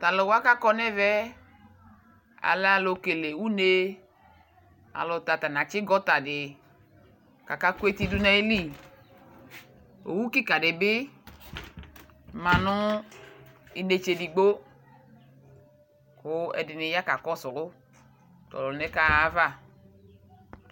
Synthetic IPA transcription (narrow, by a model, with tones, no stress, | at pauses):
t̪a˨lɔ˨wa˦ka˦kɔ˦nɛ˦vɛ˦ | a̰˨lɛ˦a˨lo˨ke˨le˨wu˦ne˦ | a̰˨lʊ˨t̪a˨t̪a˨nã˨t͡ʃɪ˦ɡɔ˦t̪a˨dɪ˨ | ka˨ka˦ku˦e˦t̪i˦du˦nɛ˦e˦li˦˨ | o̰˨wu˦ki˦ka˨ɖɪ˨bɪ˦ | mã˨nʊ̃˦ | i˨ne˨t͡ʃe˨di˨ɡ͡bo˦ | kʊ˦ɛ̰˨dɪ˨ne˨ja˦ka˨kɔ˦sɔ˨lʊ˦ | tɔ̰˨lɔ˨nɛ˦ka˦a˦va˦˨